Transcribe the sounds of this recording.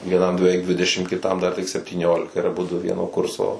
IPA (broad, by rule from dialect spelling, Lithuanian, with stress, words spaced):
ʋʲiɛˈnɐm bʲɛˈʋʲɛɪk ˈdʲʋʲɪdʲɛʃʲɪm kʲɪˈtɐm ˈdɐr tʲɪk sʲɛpʲtʲiːˈnʲoːlʲɪkɐ ɪr ɐˈbʊdʊ ˈʋʲiɛnoː ˈkʊrsoː